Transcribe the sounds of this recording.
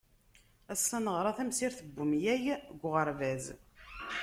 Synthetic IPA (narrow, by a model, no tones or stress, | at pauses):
æsːænəʁɾˤɑθæmsiɾθəbːʊmjæjɡʷʁəɾvæz